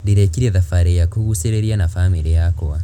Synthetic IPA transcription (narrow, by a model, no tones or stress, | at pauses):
ðiɾekiɾeðafaɾejakuɣuseɾeɾjanafamiɾejakowa